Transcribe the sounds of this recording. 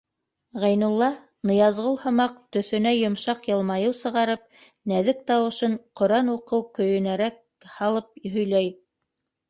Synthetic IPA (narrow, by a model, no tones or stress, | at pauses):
ʁæjnulˠːɑ | nɤ̆jɑzʁolˠhŏmɑq̚t̪ɵ̆θɵ̆næjŏmʃɑqjɤ̆lˠmɑjɤwsɤ̆ʁɑɾɤp̚ | næðɘk̚t̪ɑwɤ̆ʃɤɴqŏɾɑnuqɤwkɵ̆jɵ̆næɾæk̚ | hɑlˠɤp̚ɦɵ̆jlæj